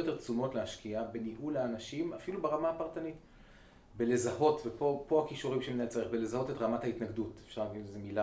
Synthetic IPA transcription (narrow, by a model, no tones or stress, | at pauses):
jot̪e̞ʁt͡sumo̞tlehaʃkiabe̞niɦulaːnaʃimafilubeʁamaːpaʁtanit | bele̞zaho̞tvepo̞po̞akiʃuʁimʃeminajt͡saʁeχbele̞zaho̞te̞tʁamathaitnaɡdutefʃaʁlaɡidlezemila